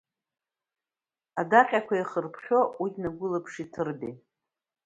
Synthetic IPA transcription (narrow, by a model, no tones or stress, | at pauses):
adaqʲʼakʷʰaiχərpʰχʲo̞ʔinaɡʷʊlɨpʰʂitʰɨrbḭ